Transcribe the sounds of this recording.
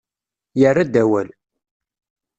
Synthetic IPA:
jərːad̪æwæl

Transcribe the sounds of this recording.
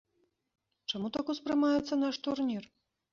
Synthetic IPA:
t͡ʂamut̪akuspɾɨmajɛt̪sːɐn̪aʂt̪urnʲir

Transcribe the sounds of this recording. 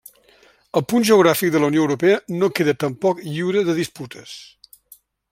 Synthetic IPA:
əlˠpunʒəuɣɾafik̚d̪ələwnioəwɾupeənokeðət̪əmpɔkʎiwɾəðəðisput̪ʰəs

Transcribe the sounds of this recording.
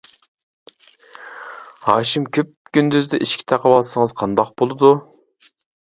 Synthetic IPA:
hɑːʃimkʲʰøp̚ɡʲynd̪yzd̪ɛʔiʃkʲʰi̥t̪ʰɛqʰəwɑlˠsəŋəzqʰɑnd̪ɑq̚bolˠɨd̪u

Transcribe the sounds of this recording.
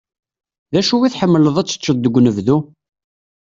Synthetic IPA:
ðæʃuwiθħəmːələðˤæt͡sːə̥t͡ʃːəðd̪ːəɡʷːnəvðu

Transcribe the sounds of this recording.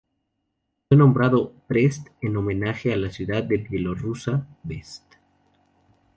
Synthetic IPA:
fwenõ̞mbɾaðopɾest̪eno̞mẽ̞naxealasjuðaðːelbjelorusaβest̪

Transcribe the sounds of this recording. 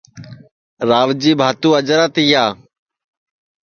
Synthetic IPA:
ɾaːʋd͡ʒiːbʱaːt̪ũːəd͡ʒɾaːt̪iːaː

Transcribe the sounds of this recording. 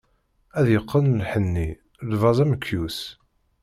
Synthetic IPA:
æðjəqːənlħənːi | lvɑzˤæməkʰːjus

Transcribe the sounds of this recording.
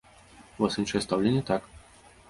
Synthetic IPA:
vɔsɨnʂɨjɛst̪awlʲenʲjət̪ak

